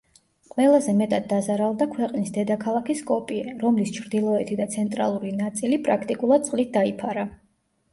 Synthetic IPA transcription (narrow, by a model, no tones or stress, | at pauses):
qʼwɛlˠazɛmɛt̪ʼad̪ːazaɾalˠd̪akʰwɛqʼnisd̪ɛd̪akʰalˠakʰiskʼɔpʼiɛɾɔmlist͡ʃʰɾd̪ilˠɔɛt̪ʰid̪at̪sʰɛnt̪ʼɾa̰lˠuɾinat̪sʼilipʼɾakʰt̪ʼikʼulˠad̪̚tsqʼlit̪̚d̪aipʰaɾa